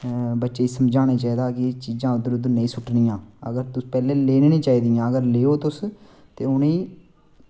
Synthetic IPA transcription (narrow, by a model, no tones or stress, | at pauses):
bətːʃeːiːsəmd͡ʒãːneːt͡ʃaːiːd̪aːkɪt͡ʃiːzãːʊd̪əɾʊd̪ənəĩːsʊʈʰnĩːãːə̰ɡəɾt̪ʊspɛːleːleːneːnĩːt͡ʃaːiːd̪ijãːəɡəɾleːoːt̪ʊs | t̪eːʊniː